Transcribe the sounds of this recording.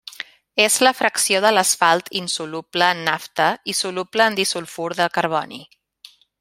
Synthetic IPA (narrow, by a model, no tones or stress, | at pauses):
ezləfɾəksioðələsfalˠt̪ʰinsulupləːnːaft̪əisulupləːnd̪isulˠfuɾðəlˠkəɾβ̞ɔ̰nḭ